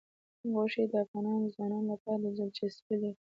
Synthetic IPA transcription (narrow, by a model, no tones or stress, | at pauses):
ɣoʂed̪əafɣɑnɑnozwɑnɑnlapɑɾaləzəlt͡ʃaspile